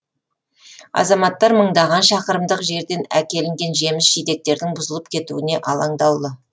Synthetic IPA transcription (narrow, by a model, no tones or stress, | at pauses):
ɑ̰zɑmɑt̪ːɑɾməɴd̪ɑʁɑnʃɑqəɾəmd̪əqʒe̞ɾd̪e̞nækʲe̞lɪŋɡʲe̞nʒe̞mɪsʒijd̪e̞k̚t̪e̞ɾd̪ɪŋbʊzəlˠəp̚kʲʰe̞t̪ṵɪne̞ʔɑlˠɑɴd̪ɑwˠd̪ə